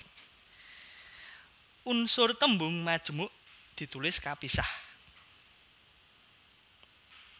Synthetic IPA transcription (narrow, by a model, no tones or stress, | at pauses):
ʔunsʊrt̪əmbʊŋmad̥ʒ̥əmʊʔ | d̪̥i̤t̪ulɪskapisah